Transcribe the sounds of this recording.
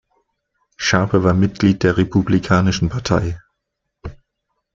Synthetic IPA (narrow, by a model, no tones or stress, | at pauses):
ʃaɐpʰəvaːɐmɪt̚ɡ̥liːt̚d̥eːɐʁepʰublikʰaːnɪʃn̩pʰaɐtʰaɪ